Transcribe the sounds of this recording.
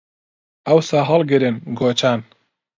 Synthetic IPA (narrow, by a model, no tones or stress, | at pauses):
ɐwsaɦɑlˠɡɨɾɨnɡoːt͡ʃʰaːn